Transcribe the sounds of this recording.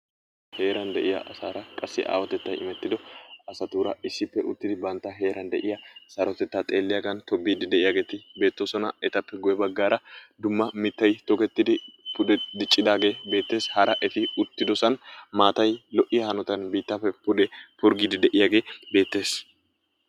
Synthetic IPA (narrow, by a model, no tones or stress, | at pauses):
he̞ːɾɐnd̪ɛʔɪjɐ̰ʔɐsaːɾɐkʼɐsːɪ̰ʔa̰ːwɐt̪ɛt̪ːɐjʔɪ̰mɛt̪ːɪd̪ɔɐsɐt̪uːɾɐɪsːɪpːɛʔʊt̪ːɪd̪ɪbɐnt̪ːɐɦe̞ːɾɐnd̪ɛʔɪjɐsɐɾɔt̪ɛt̪ːaːt̪ʼe̞ːlːɪjaɡɐnt̪ɔbːiːd̪ɪd̪ɛʔɪjaːɡe̞ːt̪ɪbe̞ːt̪ːoːsɔnɐɛt̪ɐpːɛɡʊjɛbɐɡːaːɾɐd̪ʊmːɐmɪt̪ːɐjt̪ɔkɛt̪ːɪd̪ɪpʊd̪ɛd̪ɪt͡ʃʼːɪd̪aːɡe̞ːbe̞ːt̪ːe̞ːshɐɾʔɐʔɛt̪ɪʊt̪ːɪd̪ɔsɐnmaːt̪ɐjlɔʔɪjɐhɐnɔt̪ɐnbiːt̪ːapːɛpʊd̪ɛpʊɾɡiːd̪ɪd̪ɛʔɪjaːɡe̞ːbe̞ːt̪ːe̞ːs